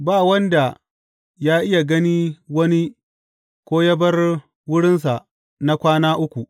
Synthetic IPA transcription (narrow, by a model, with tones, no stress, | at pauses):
baː˦˨wɐ˦nda˨ | jaː˦ʔɪ˦ja˨ɡɐ˦ni˦wɐ˦ni˦ | kʷoː˦jɐ˦bɐ˦r | wʊ˦ɽɪ˦ns̬a˨ʔ | na˦kʷaː˦naː˦ʔʊ˦kʷu˨ʔ